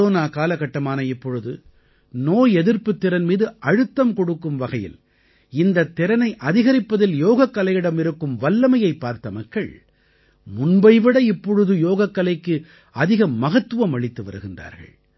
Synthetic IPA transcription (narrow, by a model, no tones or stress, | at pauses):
oːnaːkaːlɐɣɐʈːɐmaːnɐɪpːɔɻɯðɯ | noːjɛðɪɾpɯt̪ːɪɾɐnmiːðɯʔɐɻɯt̪ːɐmkɔɽɯkːɯmʋɐɣɐjɪ̰l | ɪnd̪ɐt̪ːɪɾɐnɐɪʔɐðɪɣɐɾɪpːɐðɪljoːɣɐkːɐlɐjɪɽɐmɪɾɯkːɯmʋɐlːɐmɐjɐɪpːaːɾt̪ɐmɐkːɐ̰ɭ | mʊnbɐɪʋɪɽɐɪpːɔɻɯðɯjoːɣɐkːɐlɐɪkːɯ | ɐðɪɣɐmɐɣɐt̪ːɯʋɐmɐɭɪt̪ːɯʋɐ̰ɾɯɣɪndra̰ːɾɣɐ̰ɭ